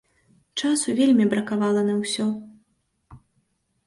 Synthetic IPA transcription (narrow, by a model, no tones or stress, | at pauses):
t͡ʂasuvʲelʲmʲibɾɐkavalˠɐnɐwsʲɔ